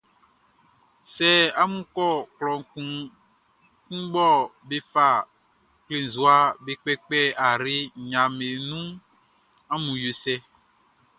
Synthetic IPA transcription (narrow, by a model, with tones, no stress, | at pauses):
sɛ˦a˦mũ˦kɔ˦˨klɔ̃˨˦ | kũ˦ɡ͡bɔ˦be˦fa˨ | kle˨n˨zu˨a˨be˨k͡pɛ˦k͡pɛ˦a˨ɾe˦ɲã˨me˨nũ˦ | a˦mũ˨jo˨sɛ˦